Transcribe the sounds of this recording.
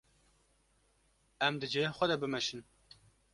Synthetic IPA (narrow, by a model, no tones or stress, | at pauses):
ɛmd̪ɨd͡ʒexʷɛd̪ɛbɨmɛʃɨn